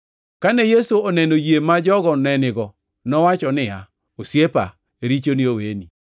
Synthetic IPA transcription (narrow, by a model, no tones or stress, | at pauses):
kanejesuonɛnojemad͡ʒɔɡɔnɛnɪɡɔ | nɔwat͡ʃɔnɪa | osjepa̰ | eɾit͡ʃonɪoweni